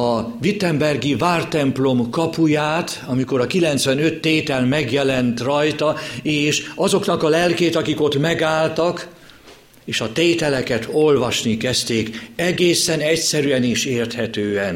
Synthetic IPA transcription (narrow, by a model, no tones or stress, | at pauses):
ɒvit̪ːɛmbɛrɡivaːrt̪ɛmplo̞mkɒpujaːt̪ | ɒmiko̞ɾɒkilɛnt̪sʋɛnø̞t̪ːeːt̪ɛlmɛɡjɛlɛnt̪rɒjt̪ɒeːʃɒzo̞knɒkɒlɛlkeːt̪ɒkiko̞t̪mɛɡaːlt̪ɒk | eːʃɒt̪eːt̪ɛlɛkɛt̪o̞lvɒʃnikɛst̪eːkɛɡeːsɛnɛcsɛɾyɛniʃeːrt̪hɛt̪øːɛn